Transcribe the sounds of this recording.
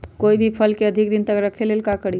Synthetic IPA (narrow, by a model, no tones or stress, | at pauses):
koibʱipʰəlkeəd̪ʱikd̪int̪əkɾəkʰelelkakəɽi